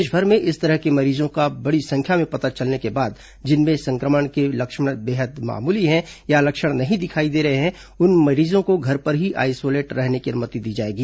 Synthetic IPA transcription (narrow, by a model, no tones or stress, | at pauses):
ʃbʱəɾmẽʔɪst̪ɐɾəɦkemɐɾiːzõkabɐɽisɐ̃ŋkʰjamẽpɐt̪at͡ʃɐlnekebaːd̪ | d͡ʒɪnmẽsɐ̃ŋkɾəməɽ̃kelɐkʃəɽ̃beːɦəd̪ma̰ːmuːliɦɛ̃jalɐkʃəɽ̃nɐɦĩd̪ɪkʰaːid̪eːɾɐɦeɦɛ̃ | ʊnmɐɾiːzõkoɡʱɐɾpɐɾɦiʔa̰ːɪsoːleːʈɾɛɦnekiɐɾmət̪id̪iːd͡ʒaːeːɡiː